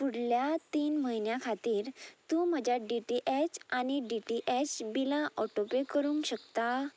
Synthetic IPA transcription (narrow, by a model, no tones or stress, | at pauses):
puɽljat̪iːnməɦinjãkʰat̪iːɾt̪ũːməd͡ʑjaɖiʈiʔɛt͡ɕaɽ̃iɖiʈiʔɛt͡ɕbilãʔɔʈopekəɾũːŋkɕəkt̪a